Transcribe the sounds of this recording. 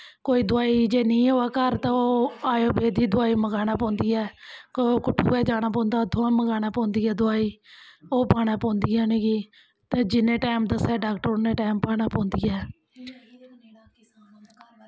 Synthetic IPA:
koːiːd̪ʊaːiːd͡ʒeːnĩːɦoːaːkəɾt̪ãoːaːjoːbeːd̪iːd̪ʊaːiːməɡaːɽ̃aːpɔ̃ːnd̪iːɛːkːkʊʈʰːṵːɛːd͡ʒaːɽ̃aːpɔ̃ːnd̪aːd̪ʱõːaːməɡaːnaːpɔ̃ːnd̪iːɛːd̪ʊaːiːoːpaːɽ̃aːpɔ̃ːnd̪iːaːnẽːɡiː | t̪eːd͡ʒɪnẽːʈaːmd̪əsɛːɖaːkʈəɾnẽːʈaːmpaːɽaːpɔ̃ːnd̪iːɛː

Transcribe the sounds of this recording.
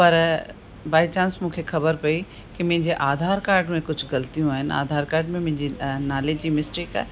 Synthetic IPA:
pɐɾ | baːit͡ɕãːnsmũːkʰexɐbəɾpɐi | kɪmɐ̃ɦɪ̃ɲd͡ʑeʔaːd̪ʱaːɾkaːɾɖmẽkʊd͡ʑʱʊɡɐlt̪ijũaːɦɪnɪa̰ːd̪ʱaːɾkaːɾɖmẽmʊ̃ɦɪ̃ɲd͡ʑinaːled͡ʑd͡ʑiːmɪsʈeːka̰ːɦe

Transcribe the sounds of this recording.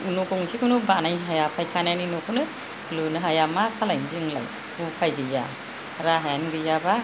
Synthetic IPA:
unukɔŋsikʰunubanajɦajapʰajkʰananinokʰɯnɯ | lunɯɦajamakʰalajnziŋla̰j | upʰajɡɯja̰ | ɾaɦajanɡɯjaba

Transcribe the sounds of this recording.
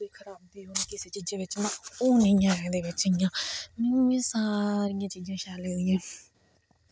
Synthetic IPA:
d̪eːkʰəɾaːb̚d̪iːɦonːkɪseːt͡ʃiːd͡ʒẽːʋɪt͡ʃmãːoːnĩːjãːɛ̃ːd̪eːʋɪt͡ʃɪjãːmɪ̃ãːsaːɾijãːt͡ʃiːd͡ʒãːʃaːleːd̪ɪjãː

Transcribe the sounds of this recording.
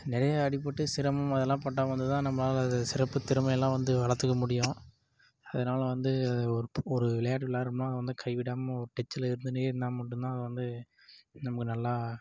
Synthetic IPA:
nɪɾɐjɐːɽɪp̬ːɐʈːɯsɪɾɐmɐmɐðɛlːãːpɐʈːaːʋɐnd̪ɯt̪ãːnɐmːɐnaːlɐɐðɐsɪɾɐpːɯt̪ːɪɾɯmɐjɛlːãːʋɐnd̪ɯʋɐɭɐɾt̪ːɯkːɐmʊɽɪjõ | ɐðɐnaːlɐʋɐnd̪ɯɐðɔɾɯɔɾɯʋɪlɐjaːʈ̬ʋɪlaːɪɾɯmnaːɐðɯʋɐnd̪ɯkʰɐɪʋɪɽaːmɐɔɾɯʈɛt͡ʃːɪlɐɪɾɯnd̪ɯnɯeːɾɯnd̪aːmɐʈːɯnt̪ãːɐðɯʋɐnd̪ɯ | nɐmɐkːɯnɐlːaː

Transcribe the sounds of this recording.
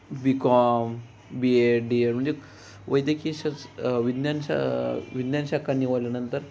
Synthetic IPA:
bikɔm | bieɖieɾm̤əɳd͡ze | ʋʔəjd̪jəkiɕaʋid̪njanɕa̰ʋid̪njanɕakanːiʋaljanənt̪əɾ

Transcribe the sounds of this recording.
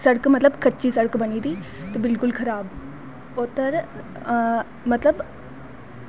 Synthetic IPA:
sɐɽəkmɐt̪ləbkɐt͡ʃisɐɽəkbɐniːd̪iːt̪ɐbɪlkʊlkʰɐɾaːb | oːt̪əɾ | mɐt̪ləb

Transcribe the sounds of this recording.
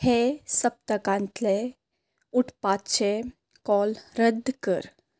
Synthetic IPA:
hɛsəb̚t̪ɐkãnt̪lɛ | ʊʈʰpaːt̪t͡ʃʰɛ | kɔːlɾəd̪kə̰ɾ

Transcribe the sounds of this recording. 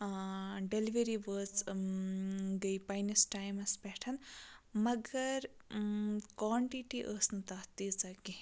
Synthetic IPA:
ɖeliʋeɾibəːt͡s | ɡəjpajnisʈajmɐspeʈʰɐnmɐɡɐɾ | kaːɳʈiʈiʔəːsnut̪ɐt̪it͡sɐɡi

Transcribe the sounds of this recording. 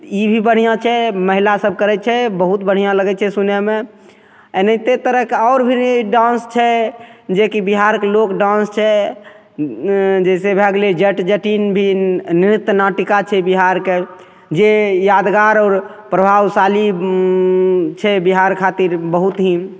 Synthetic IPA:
ibʱibəɽ̤ijãt͡ʃʰɛməɦilasəb̚ʱkəɾɛt͡ʃʰɛbəɦut̪bəɽ̤ijãləɡɛt͡ʃʰɛsunɛme | enət̪et̪əɾəɦkeɔɾbʱiɖãnst͡ʃʰɛd͡ʒekibiɦaɾkelokɖãnst͡ʃʰɛ | d͡ʒɛsebʱɛɡled͡ʒəʈd͡ʒəʈinbʱiniɾit̪ːnaʈikat͡ʃʰɛbiɦaɾke | d͡ʒejad̪ɡaɾɔːɾ | pɾəbʱawsali | t͡ʃʰɛbiɦaɾkʰat̪iɾbəɦut̪ɦĩ

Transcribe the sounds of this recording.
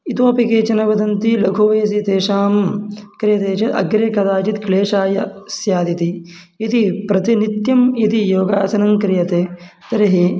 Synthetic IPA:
it̪oːpikeːt͡ʃɐnɐʋɐd̪ɐnt̪ilɐɡʱoːʋɐjɐs̬it̪eːʃaːmkɾɪjɐt̪eːt͡ʃɐɐ̰ɡɾekɐd̪aːt͡ʃit̪kɭeːʂaːjɐsjaːd̪it̪i | it̪ipɾɐt̪init̪jɐmit̪ijoːɡaːsɐnɐmkɾijɐt̪eː | t̪ɐɾɐɦi

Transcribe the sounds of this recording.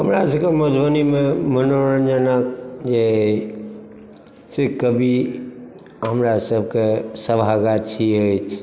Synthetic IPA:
ɦəmɾasəbkeməd͡ʒ̪ʱbənimẽmənoɾənd͡ʒənək̚d͡ʒe | sekəbʱi | ɦəmɾasəb̚ʱkesəbʱaɡat͡ʃʰiəjt͡ʃʰ

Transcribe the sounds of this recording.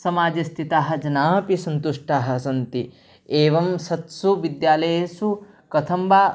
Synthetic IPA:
sɐmaːd͡ʒɐst̪ʰit̪aːɦɐ̆d͡ʒɐnaːpisɐnt̪uʂʈaːɦɐ̆sɐnt̪i | eːʋɐmsɐt̪suʋid̪jaːlɐjesu | kɐt̪ʰɐmbaː

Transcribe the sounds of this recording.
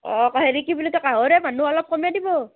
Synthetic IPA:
ɔ̃kaɦeɹikibulɔkakaɦoɹɛmanuɔlɔp̚kɔmjadibɔ

